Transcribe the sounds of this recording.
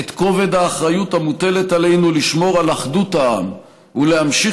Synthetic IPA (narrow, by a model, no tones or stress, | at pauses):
et̪ko̞ve̞d̪aːχʁajutamute̞le̞tale̞jnuliʃmo̞ʁalaχdutaam | ule̞ɦamʃi